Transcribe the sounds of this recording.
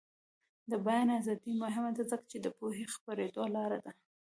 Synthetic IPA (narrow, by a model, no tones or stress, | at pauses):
d̪əbajɑnazɑd̪imʊɦɪmad̪azəkḁt͡ʃed̪əpoɦexpaɾed̪olɑɾad̪a